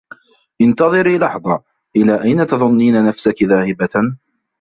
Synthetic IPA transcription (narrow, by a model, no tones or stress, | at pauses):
ʔɪnt̪ɑðˤɨɾiːlɑħðˤɑ | ʔɪlaːʔajnat̪ɑðˤʊnːiːnanafsakɪðaːhɪba